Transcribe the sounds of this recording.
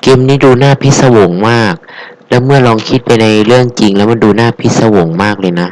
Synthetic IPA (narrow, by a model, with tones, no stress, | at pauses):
ke˧mniː˦˥duː˧naː˥˩pʰi˦˥t̪̚sa˧wo˩˦ŋmaː˥˩k̚ | lɛ˦˥wmɯ˥˩ɐlɔː˧ŋkʰi˦˥t̪̚pa˧jna˧jlɯ˥˩əŋt͡ɕi˧ŋlɛ˦˥wmɯ˧˥˩duː˧naː˥˩pʰi˦˥t̪̚sa˧wo˨˩˦ŋmaː˥˩k̚lɤː˧jna˦˥